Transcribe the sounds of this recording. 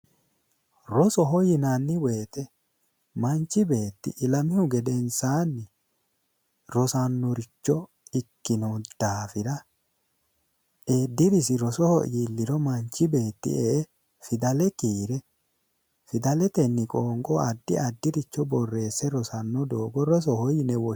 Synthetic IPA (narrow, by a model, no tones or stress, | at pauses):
ɾɔsɔɦɔjɪnanːɪwe̞ːt̪ɛ | mɐnt͡ʃːɪbe̞ːt̪ːɪ̰ʔɪlɐmɪhʊɡɛd̪ɛnsaːnːɪ | ɾɔsɐnːɔɾɪt͡ʃːɔ | ɪkːɪnɔd̪̥aːfɪɾɐ | ʔeːd̪ːɪɾɪsɪɾɔsɔhɔ̰ʔiːlːɪɾɔmɐɲt͡ʃːɪbe̞ːt̪ːɪ̰eʔ | fɪd̪ɐlɛkiːɾɛ | fɪd̪ɐlɛt̪ɛnːɪkʼoːŋɡʼɔɐd̪ːɪɐd̪ːɪɾɪt͡ʃːɔbɔrːe̞ːsːɛɾɔsɐnːɔd̪oːɡɔɾɔs̬ɔhɔjɪnɛwɔ